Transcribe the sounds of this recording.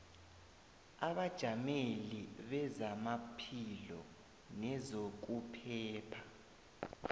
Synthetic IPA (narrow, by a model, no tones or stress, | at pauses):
aβad̥ʒ̥ʱameliβɛzamapʰilɔ | nɛzok̬upʰɛːpʰḁ